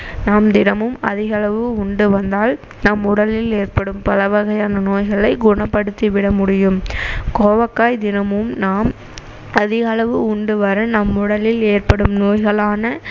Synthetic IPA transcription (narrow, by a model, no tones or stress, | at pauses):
naːmd̪ɪnɐmɯmɐðɪɣɐɭɐʋɯʊɳɖɯʋɐnd̪aːl | nɐmʊɽɐlɪleːrpɐɽɯmpɐlɐʋɐɣɐjaːnɐnoːjɣɐɭɐɪɡʊɳɐpːɐɽɯt̪ːiʋɪɽɐmʊɽɪjɯmkoːʋɐkːaːjd̪ɪnɐmɯmnaːm | ɐðɪɣɐɭɐʋɯʊɳɖɯʋɐɾɐnɐmʊɽɐlɪleːrpɐɽɯmnoːjɣɐɭaːnɐ